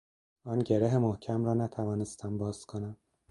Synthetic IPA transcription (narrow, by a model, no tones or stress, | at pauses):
ɒːnɟe̞ɾeɦemohcʰæmɾɒːnæt̪ʰævɒːnest̪ʰæmbɒːzkʰonæm